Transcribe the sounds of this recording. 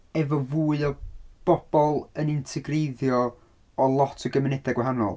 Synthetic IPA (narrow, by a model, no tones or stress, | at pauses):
ɛvɔvuːɨɔb̥ɔb̥ɔlˠənɪntʰɪɡrejðjɔ | ɔlˠɔtʰəɡəmɪnɛdɛɡwaɦanɔ̰lˠ